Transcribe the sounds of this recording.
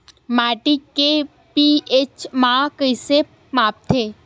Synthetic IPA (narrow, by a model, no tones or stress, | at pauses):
maːʈikːe | piet͡ʃmãkəise | maːp̚t̪ʰeː